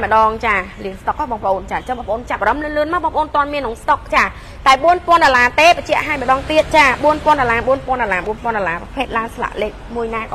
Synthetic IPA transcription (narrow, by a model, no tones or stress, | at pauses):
mə̆ɗɑːŋt͡ɕaːliənst̪ok̚ʔaːɓɑːŋpə̆ʔoːnt͡ɕaːt͡ɕəŋɓɑːŋpə̆ʔoːnt͡ɕap̚ʔaːɾɑmlɨənlɨənmawɓɑːŋpə̆ʔoːnt̪ŏənmiənːɨŋst̪ok̚t͡ɕaː | t̪aɛɓuənpŏənɗolaːt̪eːpət͡ɕɛ̆əʔɦaːjmə̆ɗɑːŋt̪iət̪̚t͡ɕaːɓuənpŏənɗolaːɓuənpŏənɗolaːɓuənpoənɗolaːppʰeːt̪̚laənsla̰ʔleːk̚muəjnaːkː